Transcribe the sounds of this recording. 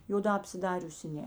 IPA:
joːˈdɑː ɐpʲsʲɪˈdɑːrʲʊsʲɪ ˈnʲɛ

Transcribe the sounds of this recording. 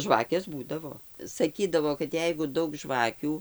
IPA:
ˈʒʋɑːkʲeːs ˈbuːdɐʋoː sɐˈkʲiːdɐʋoː kɐt ˈjɛɪɡʊ ˈdɐʊk ˈʒʋɑːkʲuː

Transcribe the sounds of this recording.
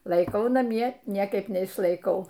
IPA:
lˠɐɪˈkɐʊ nɐˈmʲiɛ ˈnʲiɛkɐɪp nʲɛɪʃlˠɐɪˈkɐʊ

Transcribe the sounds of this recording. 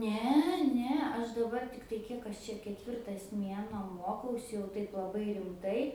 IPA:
ˈnʲɛ ˈnʲɛ ˈɐʃ dɐˈbɐr ˈtʲɪktɐɪ ˈkʲiɛk ɐʃ t͡ʃʲɛ kʲɛˈtʲʋʲɪrtɐs ˈmʲiɛnuɔ ˈmuɔkɐʊsʲɪ jɛʊ ˈtɐɪp lˠɐˈbɐɪ rʲɪmˈtɐɪ

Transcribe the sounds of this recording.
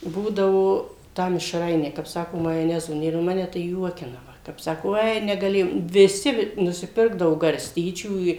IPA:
ˈbuːdɐʋoː ˈtɑː mʲɪʃˈrɐɪnʲæː kɐp ˈsɑːkoː mɐjoːˈnʲæːzoː ˈnʲeːr nʊ ˈmɑːnʲɛ tɐɪ ˈjuɔkʲɪnɐ kɐp ˈsɑːkoː ˈoːɪ nʲɛɡɐˈlʲeːjoːm ʋʲɪˈsʲɪ nʊsʲɪˈpʲɪrɡdɐʋoː ɡɐrʲˈsʲtʲiːt͡ʃʲuː ɪ

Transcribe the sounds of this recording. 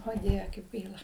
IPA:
oː ˈdʲiɛʋʲɛ kɐɪp ˈɡɐɪlˠɐ

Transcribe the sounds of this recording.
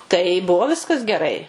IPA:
tɐɪ ˈbʊʋoː ˈʋʲɪskɐs ɡʲɛˈrɐɪ

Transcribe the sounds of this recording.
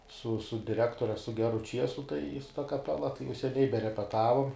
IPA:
sʊ sʊ dʲɪˈrʲæːktoːrʲɛ sʊ ˈɡʲæːrʊ ˈt͡ʃʲiɛsʊ tɐɪ sʊ tɐ kɐˈpʲæːlˠɐ tɐɪ jɛʊ sʲɛˈnʲɛɪ bʲɛrʲɛpʲɛˈtɑːʋʊm

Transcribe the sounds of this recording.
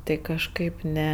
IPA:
ˈtɐɪ kɐʃˈkɐɪp ˈnʲɛ

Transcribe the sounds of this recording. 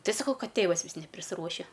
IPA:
ˈtɐɪ sɐˈkɐʊ ˈkɐt ˈtʲeːʋɐs ˈʋʲɪs nʲɛpʲrʲɪsˈruɔʃʲɛ

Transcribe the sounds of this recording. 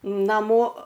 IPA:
nɐˈmoː

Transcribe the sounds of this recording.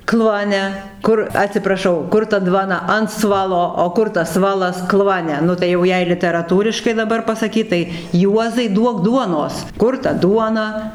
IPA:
ˈklˠuɔnʲɛ ˈkʊr ɐtʲsʲɪprɐˈʃɐʊ ˈkʊr tɐ ˈdʋɑːnɐ ɐn ˈsʋɑːlˠoː oː ˈkʊr tɐs ˈsʋɑːlˠɐs ˈklˠuɔnʲɛ ˈnʊ tɐɪ jɛʊ ˈjɛɪ lʲɪtʲɛrɐˈtuːrʲɪʃkɐɪ dɐˈbɐr pɐsɐˈkʲiːt tɐɪ ˈjuɔzɐɪ ˈduɔk ˈduɔnoːs ˈkʊr tɐ ˈduɔnɐ

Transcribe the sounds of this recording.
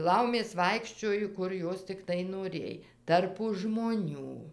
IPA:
ˈlˠɐʊmʲeːs ˈʋɐɪkʃʲt͡ʃʲoːjoː ˈkʊr ˈjoːs tʲɪkˈtɐɪ noːˈrʲeːj ˈtɐrpʊ ʒmoːˈnʲuː

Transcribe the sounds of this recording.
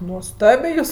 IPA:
nuɔˈstɑːbʲeː ˈjuːs

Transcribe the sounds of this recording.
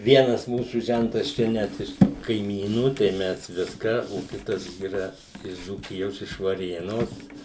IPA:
ˈʋʲiɛnɐs ˈmuːsuː ˈʒʲɛntɐs ˈt͡ʃʲɛ ˈnʲɛt ɪʃ kɐɪˈmʲiːnuː tɐɪ ˈmʲɛs ˈʋʲɪskɑː oː ˈkʲɪtɐs iːˈrɐ ɪʃ d͡zuːˈkʲɪjoːs ɪʃ ʋɐˈrʲeːnoːs

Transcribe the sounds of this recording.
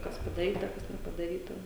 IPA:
ˈkɐs pɐdɐˈrʲiːtɐ ˈkɐs nʲɛpɐdɐˈrʲiːtɐ

